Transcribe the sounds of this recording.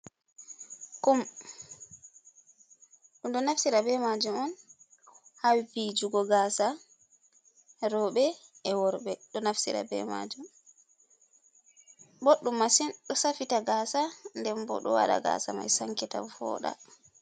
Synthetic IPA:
kum | ɗundɔnafsiɾabɛmad͡ʒumɔn | hawipid͡ʒuɡɔɡaːsa | ɾɔɓɛɛwɔɾɓɛɗɔnafsḭɾa̰bɛ̰ma̰d͡ʒum | boɗːumːasinɗɔsafitaɡaːsandɛmbɔ̰ɗɔ̰waɗa̰ɡa̰ːsama̰jsaŋkɛta̰wfɔ̰ːɗa̰

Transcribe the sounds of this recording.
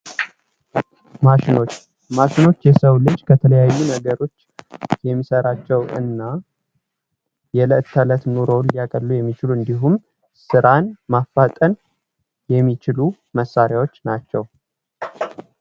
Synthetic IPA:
maʃɪno̞t͡ʃː | maʃino̞t͡ʃːjɛsəwlɨd͡ʒːkʰət̪ʰələjajːunəɡəɾo̞t͡ʃːjɛmːisəɾat͡ʃːɛwɨ̰nːa | jɛləʔt̪ʰːələt̪noɾowljakʼəlːujɛmːit͡ʃɪluɨnd̪iɦum | sɨɾanmafːat̪ʼən | jɛmːit͡ʃɪlu | məsːaɾjawo̞t͡ʃːnat͡ʃːɛw

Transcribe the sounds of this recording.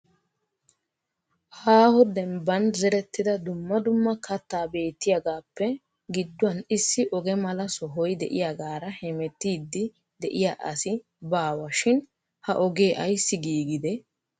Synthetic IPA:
haːhɔd̪ɛmbɐnzɛɾɛt̪ːɪd̪ɐd̪ʊmːɐd̪ʊmːɐkɐt̪ːaːbe̞ːt̪ːɪjaɡaːpːɛ | ɡɪd̪ːʊɐnɪsːɪʔɔɡɛmɐlɐsɔɦɔjd̪ɛ̰ʔɪjaɡaːɾɐhɛmɛt̪ːiːd̪ːɪ | d̪ɛʔɪjaːʔɐsɪ | baːwɐʃɪn | hɐ̰ʔɔɡeːʔɐjsːɪɡiːɡɪd̪ɛ

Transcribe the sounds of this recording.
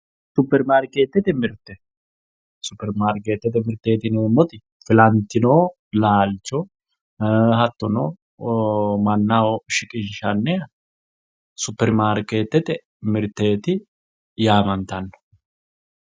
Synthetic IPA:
sʊpːɛɾmaːɾkeːt̪ːɛt̪ɛmɪɾt̪ːɛ | sʊpːɛɾmaːɾkeːt̪ːɛt̪ɛmɪɾt̪eːt̪ɪneːmːɔt̪ɪ | fɪlɐnt̪ːɪnoː | laːlt͡ʃːɔ | hɐt̪ːɔnoː | mɐnːawɔʃɪkʼɪnʃɐnːɛ | sʊpːɛɾmaːɾkeːt̪ːɛt̪ɛ | mɪɾt̪ːe̞ːt̪ɪ | jaːmɐnt̪ɐnːɔ̥

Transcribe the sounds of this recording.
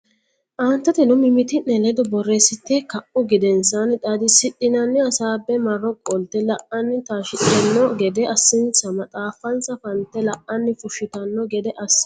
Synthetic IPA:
ʔaːnt̪ːɐt̪ɛnɔmɪmɪt̪ɪnɛlɛd̪ɔbɔrːeːsɪt̪ːɛkɐʔʊɡɪd̪ɛnsɐnt̪ʼɐd̪ɪsɪt̪ʼːɪnɐnːɪɐsaːbːɛmɐrːɔkʼɔlt̪ɛlɐʔɐnːɪt̪aːʃɪtɪɐnːɔɡɛd̪ɛɐsːɪnsɐmɐt͡sʼaːfɐnsɐfɐnt̪ɛlɐʔɐnːɪfʊʃɪt̪ɐnːɔɡɛd̪ɛʔɐs

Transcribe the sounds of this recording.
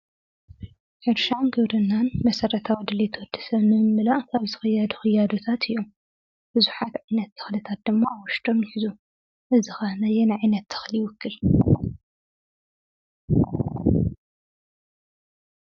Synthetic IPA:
ħɨɾʃanɡɨβɾɨnːanmɐsɐɾɐt̪ʰawid̪ɨlːet̪ʰwɔd̪̥ɐ̥sɐβnɨmɨmɨlaʔkaβzɨ̥xɐjːad̪u̥xɨjːad̪ot̪ʰat̪ʰɨjːum | b̥ɨzuħat̪ʕajnɐt̪ːʰɨ̥xlɨt̪ʰat̪̚d̪ɨmːaːwʊʃt̪ʰo̞mjħizu | ʔɨzɨxanajɛnɨʕajnɐt̪ʰːɨ̥xlijwʊkːɨl

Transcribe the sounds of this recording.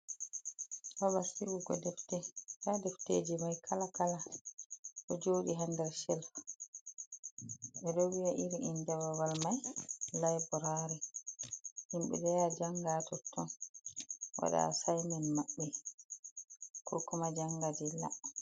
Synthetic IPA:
waɓasiɡuɡɔ̰dɛftɛkadɛfteːd͡ʒimajkʰalakala | ʔɔd͡ʒoːɗiɦandɛɾsɛlf | ɓɛɗɔwiaʔiɾiʔindɛwawalmajlajbɔɾaɾɛ | himɓɛ̰dɛjad͡ʒaŋɡatɔtʰːɔn | wa̰ɗa̰sajmɛnmaɓːɛ | kʰɔkɔmad͡ʒaŋɡad͡ʒɛla̰

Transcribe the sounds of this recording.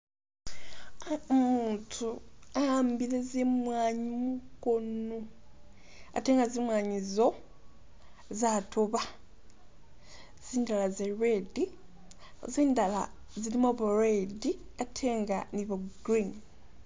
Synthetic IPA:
muːntʰuaambilezemwaːɲimuko̞no̞ | a̰te̞ːŋɡazimwaːɲizo̞ | zatʰoβa | z̥iːndalazeredi | ziːndala̰ | zilimoβuɾediatʰe̞ːŋɡaniβoɡudɾin

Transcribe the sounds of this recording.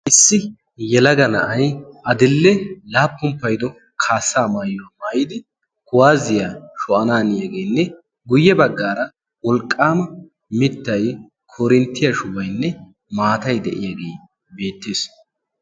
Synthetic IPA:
ʔɪsːɪ | jɛlɐɡɐnɐ̰ʔɐjʔɐd̪ɪlːɛlaːpːʊmpːɐjd̪ɔ | kʰaːsːaːmaːjɔwɐmaːjɪd̪ɪ | kʊwaːzɪjaːʃɔʔɐnaːnɪjaɡe̞ːjnːɛ | ɡʊjːɛbɐɡːaːɾɐ | wɔlkʼːaːmɐ | mɪt̪ːɐj | kʰɔɾɪnt̪ːɪjɐʃʊwɐjnːɛ | maːt̪ɐjd̪ɛʔɪjaɡe̞ː | be̞ːt̪ːeːs

